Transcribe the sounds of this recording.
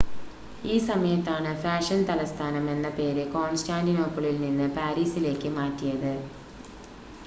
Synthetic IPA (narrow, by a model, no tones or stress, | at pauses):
iːsɐmɐjɐt̪ːaːɳɨfaːʂɐnt̪ɐlɐst̪ʰaːnɐme̞nːɐpe̞ːɾɨko̞ːnstaːɳdino̞ːpːɐɭilninːɨpaːɾiːsile̞ːkːɨmaːtːijɐðɨ